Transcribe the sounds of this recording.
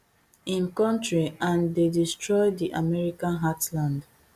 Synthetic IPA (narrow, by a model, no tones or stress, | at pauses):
ĩnkɔ̃ntɹiãndedistɹɔjdiʔamɛɹikãnɦatlãnd